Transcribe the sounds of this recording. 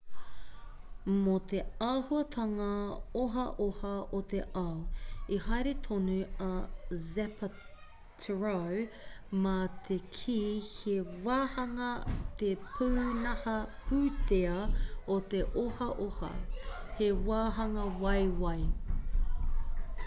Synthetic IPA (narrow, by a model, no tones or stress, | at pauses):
mot̪eaːhuɐt̪ʰɐŋɐoɦɐʔohɐot̪eʔɐwihɐjɾet̪ʰonʉɐzɛpʰɐ | tʰɹow | mɐt̪ʰekʰiːhewaːhɐŋɐt̪epʰuːnɐhɐpʰʉːt̪eɐot̪eʔohɐʔohɐ̰hewaːɦɐŋɐwɐjwɐj